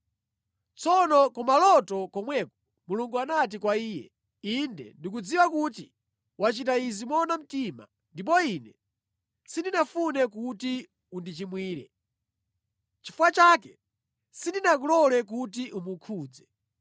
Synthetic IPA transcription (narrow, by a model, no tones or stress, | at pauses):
t͡sɔnɔkɔmalɔtɔkɔmwɛkɔ̥ | muluŋɡuanat̬ikwaiːjɛ̰ | indɛ̰ndikud͡ziwakuti | wat͡ʃit̬aizimɔnam̩tima̰ | ndip̬ɔinɛ | sindinafunɛkuti | undit͡ʃimwiːɾɛ̰ | t͡ʃi̥fuwat͡ʃakɛ | sindinak̬ulɔlɛk̬ut̬iʔumukʰuːd͡zɛ